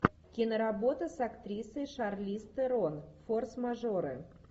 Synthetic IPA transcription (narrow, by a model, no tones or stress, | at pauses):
kʲinəɾabot̪əsakt̪ɾʲisəjʂarlʲist̪ɨɾonforsmaʐoɾɨ̰